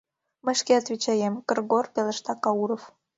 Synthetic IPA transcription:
məʃkeɑt̪vit͡ɕɑjemkərɡorpelə̆ʃt̪ɑkɑuɾof

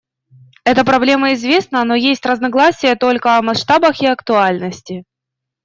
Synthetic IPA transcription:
ɛt̪əpɾɐblʲe̞məɪzvʲe̞snəno̞jesʲtʲrəznɐɡlˠasʲɪjət̪o̞lʲkəɐmɐsʂt̪abəxɪɐkt̪ʊalʲnəsʲtʲɪ

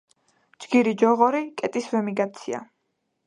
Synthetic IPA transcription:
d͡ʒɡiɾid͡ʒɔʁɔɾikʼɛt̪ʼisvɛmiɡat̪sʰia̰

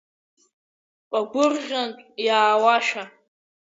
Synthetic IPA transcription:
kʷʼaɡʷʊrʒʲantʼjaːwaʃa

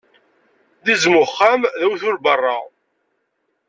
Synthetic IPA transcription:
ðizmʊχːamðæwθʊlbərˤːɑ

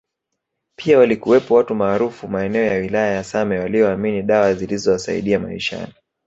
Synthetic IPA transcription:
pʰiawalikuwɛpɔwatumaːɾufumaɛnɛɔjawilajajasamɛwaliɔːminiɗawazilizɔwasa̰ḭɗiama̰ḭʃa̰ni

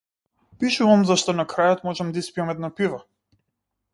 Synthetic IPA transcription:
piʃuvamzaʃt̪ɔnakɾajɔt̪mɔʒɛmd̪aispiamɛd̪napiva

